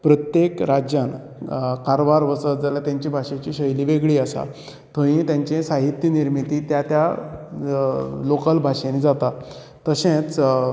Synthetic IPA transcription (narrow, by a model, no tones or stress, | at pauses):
pɾət̪jekɾad͡ʑjan | kaɾʋaɾʋəsət̪d͡zaljat̪jãɲt͡ɕiːbʱaʂẽt͡ɕiːɕəjliʋeɡɭiːasa̰ | t̪ʰõĩt̪jãɲt͡ɕẽsaɦit̪jəniɾmit̪it̪jat̪ja | lokəlbʱaʂenid͡zat̪a | t̪əɕẽt͡s